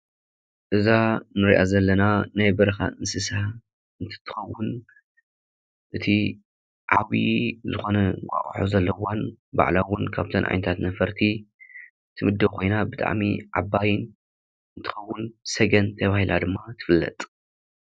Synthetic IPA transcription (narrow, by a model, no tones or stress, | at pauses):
ʔɨzanɨɾiʔa̰zɐlːɐnanajbɐɾɐxa̰ʔɨnsɨsa | ɨnt̪ʰɨ̥t̪ʰɨ̥xɐwːʊn | ʔɨt̪ʰi | ʕawḭzɨxo̞nɐŋkʼa̰χʼħozɐlːɐwanba̰ʕlawʊnkʰaβt̪ʰɐnʔʕa̰jnɐt̪ʰat̪nɐfɐɾt̪ʰi | t̪ʰɨmɨd̪ːɐβkʰo̞jnabɨt̪ʼa̰ʕmḭʕa̰bːajɪn | ɨnt̪ʰɨ̥xɐwːʊnsɐɡɐnt̪ʰɐβahilʔad̪ɨmːat̪ʰɨ̥fɨlːɐ̰t̪ʼ